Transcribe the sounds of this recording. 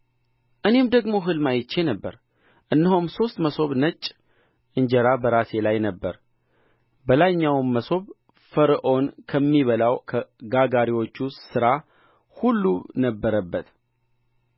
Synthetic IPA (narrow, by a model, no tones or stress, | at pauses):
ʔɨne̞md̪əɡmo̞ɦɨlmajɪt͡ʃːe̞nəbːə̰ɾ | ʔɨnːɨɦumso̞st̪məso̞βnət͡ʃʼː | ʔɨɲd͡ʒəɾabəɾase̞lajnəbːəɾ | bəlaɲːawmːəso̞β | fəɾʔo̞nkʰəmːiβəlawkʰəɡaɡaɾiwo̞t͡ʃːusɨɾa | hulːunəbːəɾəbːət̪